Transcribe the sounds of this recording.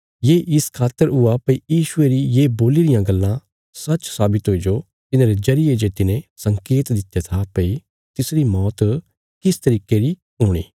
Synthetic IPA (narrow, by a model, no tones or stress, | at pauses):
jeːʔɪskʰaːt̪ːəɾʊapɐijiːʃʊeɾijeːboːliɾɪjãɡɐlːã | sɐt͡ʃsaːbɪt̪ɦoːid͡ʒo | t̪ɪnãːɾed͡ʒɐɾɪjed͡ʒeːt̪ɪnẽsɐ̃ŋkeːt̪d̪ɪt̪ːjat̪ʰapɐi | t̪ɪsɾimɔːt̪ | kɪst̪ɐɾiːkeɾi | ɦʊːɽ̃ḭː